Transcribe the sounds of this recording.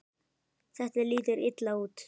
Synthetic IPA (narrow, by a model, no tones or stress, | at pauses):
θɛht̪ɛliːt̪ɪɾɪt̪lauːt̪